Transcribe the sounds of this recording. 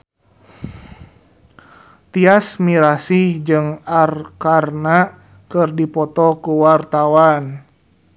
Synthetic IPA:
t̪iasmiɾasihd͡ʒɨŋarkarna | kərdipɔt̪ɔkuwart̪awan

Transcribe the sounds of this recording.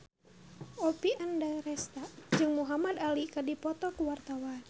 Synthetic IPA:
ɔpiʔandaɾɛst̪ad͡ʒɨŋmuɦamad̪alikadipɔt̪ɔkuwart̪awan

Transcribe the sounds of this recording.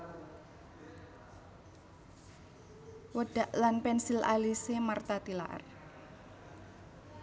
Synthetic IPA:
wəɖ̥a̤ʔlanpɛnsila̰lisemart̪at̪ila̰ʔə̰r

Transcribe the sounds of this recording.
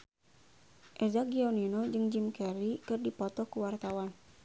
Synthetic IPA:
ʔɛzaɡioninod͡ʒɨŋd͡ʒimkɛɾikɨrdipɔt̪ɔkuwart̪awan

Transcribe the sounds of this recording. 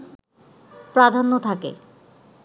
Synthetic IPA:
pɾad̪ʱanːot̪ʰakḛ

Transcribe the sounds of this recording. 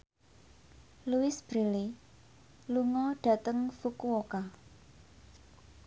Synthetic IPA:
luɪsb̥ɾili | luŋɔɖ̥ä̤t̪əŋfukuoka

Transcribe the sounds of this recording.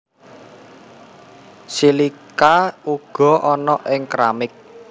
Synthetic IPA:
silikauɡ̥ɔ̤ʔɔnɔʔɪŋkɾamɪk̚

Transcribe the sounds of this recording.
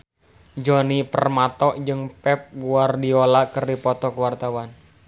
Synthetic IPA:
d͡ʒɔnipərmat̪ɔʔd͡ʒɨŋpɛp̚ɡuardiolakərdipɔt̪ɔkəwart̪awan

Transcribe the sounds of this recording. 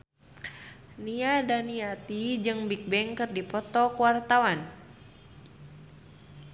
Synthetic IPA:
niadaniat̪id͡ʒɨŋbik̚bɛŋkɨrdipɔt̪ɔkuwart̪awan

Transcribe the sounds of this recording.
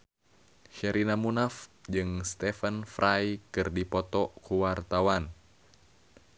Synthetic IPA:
hɛɾinamunafd͡ʒɨŋst̪ɛfənfɾʔajkɨrdipɔt̪ɔkuwart̪awan

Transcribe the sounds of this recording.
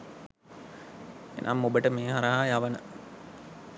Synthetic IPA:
ḛnʔa̰mːobəʈəmeːɦaɾajaʋənə

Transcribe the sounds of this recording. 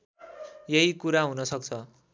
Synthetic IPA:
jeɦikuɾaɦunʌsʌk̚t͡sʰʌ

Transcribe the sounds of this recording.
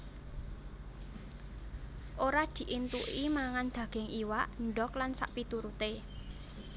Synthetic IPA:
ʔoɾad̪̥i̤ʔint̪uʔimaŋand̪̥ä̤ɡ̥ɛ̤ŋiwaʔɳɖɔklansa̰ʔpit̪uɾut̪e

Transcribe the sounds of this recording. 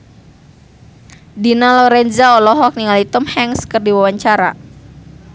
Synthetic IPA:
dinalɔɾɛnzaɔlɔɦɔk̚niŋalit̪ʊmhɛŋskərdiwawaɲt͡ʃaɾa̰

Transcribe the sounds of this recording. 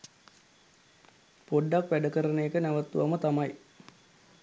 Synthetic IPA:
poɖːakʋæɖəkəɾəneːkənæʋət̪ːuʋamət̪amaj

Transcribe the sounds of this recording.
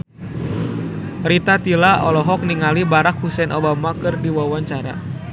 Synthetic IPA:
ɾit̪at̪ilaɔlɔɦɔk̚niŋalibaɾakhusɛnʔɔbamakɨrdiwawaɲt͡ʃaɾa̰

